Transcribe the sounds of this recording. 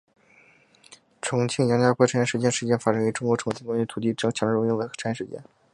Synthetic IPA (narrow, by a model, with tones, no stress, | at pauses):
ʈ͡ʂʰʊ˧˥ŋt͡ɕʰi˥ŋjɑ˧˥ŋt͡ɕja˥kwʈ͡ʂʰjɛ˥ʂɻt͡ɕjɛ˥˧ʂɻ̩˧˩t͡ɕjɛ˥nfa˥˩ʈ͡ʂə˥˩y˧˥ʈ͡ʂʊ˥ŋkwɔ˧˥ʈ͡ʂʰʊ˧˥ŋt͡ɕʰi˥˩ŋkwa˥ɕy˥˩t̪ʰu˨˩i˥˩ʈ͡ʂɤ˥˩t͡ɕʰjɑ˧˥ŋɻ̩˥˧˥i˥ŋwə˧˥xʈ͡ʂʰjɛ˥˩ʂɻ̩˧t͡ɕjɛ̰˥˩n